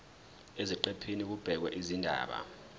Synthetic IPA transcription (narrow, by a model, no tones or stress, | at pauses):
eziǃɛpʰinik̬ub̥ʱɛk̬wɛʔizindʱa̰ːɓa̰